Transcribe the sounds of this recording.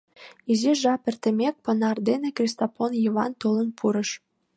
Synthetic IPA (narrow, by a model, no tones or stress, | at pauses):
iziʒɑpĕrt̪ĕmʲek̚pɤ̆nɑrd̪enekrʲist̪oponjiβɑnt̪olə̆npʰuɾɤ̆ʃ